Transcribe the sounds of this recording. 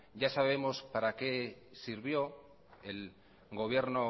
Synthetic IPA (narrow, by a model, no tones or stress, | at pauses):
ɟ͡ʝasaβ̞e̞mo̞spaɾake̞siɾβjo̞ | e̞l | ɣo̞β̞je̞ɾno